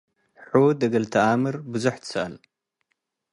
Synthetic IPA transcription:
ħud̪ɐɡɐlt̪ʰɐʔamɨɾbɨzuħt̪ʰɨ̥sɨʔɐl

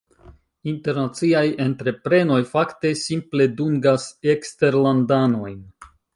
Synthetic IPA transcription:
inte̞ɾnat͡siaje̞ntɾe̞pɾe̞no̞jfakte̞simple̞duŋɡasekste̞ɾlandano̞jn

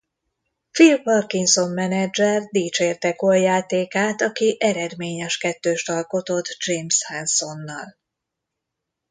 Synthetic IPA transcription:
filpɒrkiŋso̞mːɛnɛd͡ʒɛrd̪iːt͡ʃeːrt̪ɛkoljaːt̪eːkaːt̪ɒkiʔɛɾɛd̪meːɲɛʃkɛt̪ːøːʃt̪ɒlko̞t̪o̞t̪d͡ʒeːmshɛnso̞nːɒl

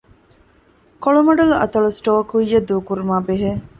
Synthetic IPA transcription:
koɭumɐɖɐluʔɐt̪ɐɭusʈoːkuijːɐd̪uːkuɾumaːbeɦe

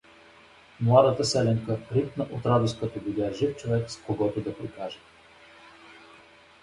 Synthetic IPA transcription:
mlˠad̪ət̪əsɛlɛŋkəɾip̪nəʔot̪ɾad̪ʊskət̪obidʲaʒift͡ʃovɛkskoɡɔt̪ʊd̪ɐpɾikaʒɛ

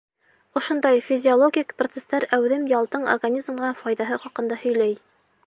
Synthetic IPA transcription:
ŏʃond̪ɑjfʲizʲɪolˠoɡʲikprot̪sest̪ɑɾæwðɘmjɑlˠt̪ɤɴo̰rɡanʲizmʁɑfɑjðɑɦɤχɑqɤ̆nd̪ɑhɵ̆jlæj

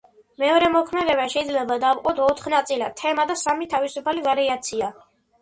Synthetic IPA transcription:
mɛɔɾɛmɔkʰmɛd̪ɛβaʃɛid̪zlɛbad̪avqʼɔt̪ʰɔt̪ʰχnat̪sʼilat̪ʰɛmad̪asamit̪ʰavisupʰalivaɾiat̪sʰia

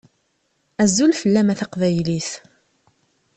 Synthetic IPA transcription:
æzːulfəlːæmæθɑqvæjliθ

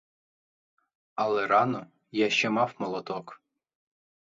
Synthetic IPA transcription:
ɐlˠɛɾɑnɔ | jaʃt͡ʃɛmɑwmɔlˠɔt̪ɔk

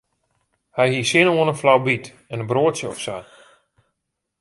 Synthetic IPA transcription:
hɛjhiːsɪnoːənənflawbit | ɛnənbroətsjəɔfsaj

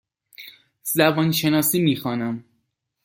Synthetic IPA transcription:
zæbɒːnʃe̞nɒːsiːmiːxɒːnæm

